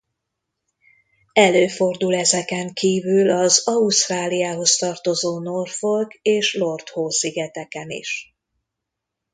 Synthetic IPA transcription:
ɛløːfo̞rd̪ulɛzɛkɛŋkiːvylɒzɒust̪raːlijaːɦo̞st̪ɒrt̪o̞zoːno̞rfo̞lɡeːʃlo̞rt̪hoːsiɡɛt̪ɛkɛnḭʃ

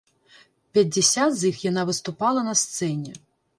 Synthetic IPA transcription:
pʲjɐdʲːesʲat̪zixjɐnɑʋɪst̪ʊpɑlˠɐnɐst̪sɛnʲi

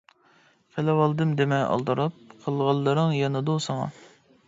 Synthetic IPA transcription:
pʰelɛwɑlˠd̪ɨmd̪emɛɑ̰lˠd̪ɑɾɑp̚qʰəlˠʁɑlˠːɨɾɨŋjɑnɨd̪osɑŋɑ̰

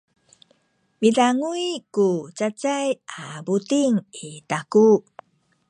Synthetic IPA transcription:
miɮaŋuikut͡ɕat͡sajabutiŋitaku

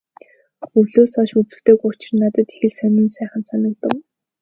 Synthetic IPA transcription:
ɵwɮoːsɔʃut͡sɘ̆kt̪eːɡʊt͡ɕɪ̆rnat̪ə̆t̪e̥xɘ̆ɮsæmʲĭːnsæːχə̆nsɔnɞ̆k̚t̪ə̆w

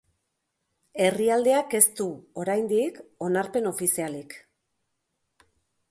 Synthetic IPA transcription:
e̞riald̪e̞ake̞st̪uo̞ɾajnd̪iko̞naɾpe̞no̞fisialik

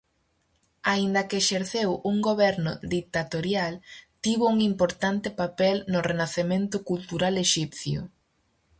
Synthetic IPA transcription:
aind̪ɐkeːʃeɾθewuŋɡoβɛɾnʊ̰d̪ik̚t̪at̪oɾjalt̪iβʊuŋimpoɾt̪ant̪ɪpapɛlnʊrenaθemẽnt̪ʊkult̪uɾaleʃipθjʊ̰

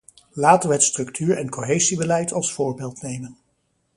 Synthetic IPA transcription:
laːtənʋəɦətstrɵktʰyːɹɛnkoɦejzibəlɛjtʰɑlˠsfʊːɹbeːlˠtnejmən

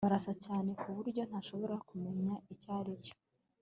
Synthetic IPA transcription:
aɾasacaːne̞kuβuɾɟo̞n̥haʃo̞βo̞ɾakume̞ɲaicaːɾico̥

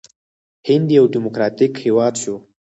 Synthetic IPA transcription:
hɪnd̪ijawɖimokɾɑt̪ikhewɑd̪ʃo

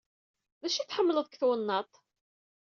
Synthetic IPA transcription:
ðæʃiθħəmːələðˤkθwənːɑt̪ˤ

